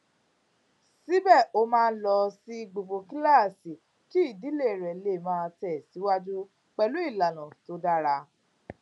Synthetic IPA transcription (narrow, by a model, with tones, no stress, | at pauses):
si˦bɛ˦˨o˦mãː˦˧˦lɔ˧si˦˧ɡ͡bo˨bo˧ki˦la˦˨si˨ | ti˨˦i˦˨di˨˦le˦˨ɾɛ˨le˨mãː˦˧tɛ˨si˨˦wa˦d͡ʒu˦ | k͡pɛ˧lu˨˦i˦˨la˨nã˨to˧˦da˦ɾa˧